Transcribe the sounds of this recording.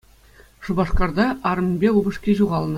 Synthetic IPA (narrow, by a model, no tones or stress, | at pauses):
ʂubɑʂkɑrd̪ɑʔɑɾɤ̆mʲbʲeubɤ̆ʂkʲeʑuʁɑlˠnɤ̆